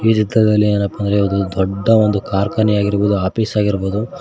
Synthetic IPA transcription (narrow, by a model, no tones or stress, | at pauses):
iːd͡ʒ̪id̪ɾɐd̪ɐlːieːnɐpːɐnd̪ɾeond̪ud̪ɔɖːɐʋond̪ukaːɾkɐnijaːɡiɾboːd̪uaːpiːsaːɡiɾboːd̪u